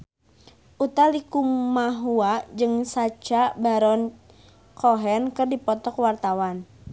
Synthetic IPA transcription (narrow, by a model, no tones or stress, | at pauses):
ʔut̪alikumaɦuad͡ʒɨŋsat͡ʃabaɾɔn | kʰɔɦɛnkɨrdipɔt̪ɔkwart̪awan